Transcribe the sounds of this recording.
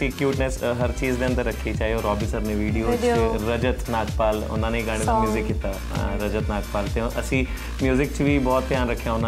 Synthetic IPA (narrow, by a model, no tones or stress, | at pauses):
siːkjuːʈnesɦəɾt͡ʃiːzd̪eːə̃nd̪əɾːəkʰːiːt͡ʃaːɦioːɾɔːbiːsəɾneːʋiːɖijoːeɾəd͡ʒət̪naːɡpaːlʊ̰nãːneiːɡaːɽ̃ed̪amjuːzɪkːɪt̪ːaː | ɾəd͡ʒət̪naːk̚paːlt̪eːʔəsĩː | mjuːzɪkt͡ʃʋiːbɔːt̪ːjaːnɾəkʰːjaːʊnãː